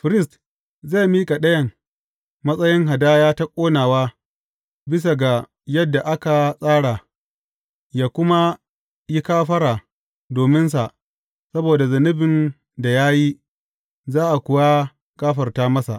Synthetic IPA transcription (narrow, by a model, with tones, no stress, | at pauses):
ɸɪ˨ɾɪ˦st | za˦˨miː˦kʼa˨ɗɐ˦jɐ˨ŋ | mɐ˦sʼɐ˦jɪ˦ŋɦa˨daː˦jaː˦ta˦kʷʼoː˦naː˨waː˦ | bɪ˦s̬a˨ɡa˨ | jɐ˦dːa˨ʔa˦ka˨sʼaː˦ɽa˨ | jaː˨kʷʊ˦ma˦ | ji˦kaː˦ɸɐ˦ɾaː˨ | doː˨mɪ˦nsa˨ʔ | sɐ˦boː˨da˨zɐ˨nɪ˦bɪ˨n | da˨jaː˦ji˦ | zaː˦ʔa˨kʷʊ˨wa˦ | kʼaː˦ɸɐ˨rtaː˦mɐ˦sa̰˨ʔ